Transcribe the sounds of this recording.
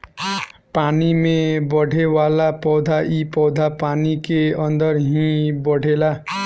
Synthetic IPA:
panimebʌɽ̤ʱewalapɔwd̪ʱaʔipɔwd̪ʱapanikeʌnd̪ʌɾɦĩbʌɽ̤ʱela

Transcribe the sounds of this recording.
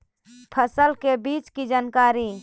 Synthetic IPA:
pʰəsəlkebit͡ʃkid͡ʒaːnkaːɾi

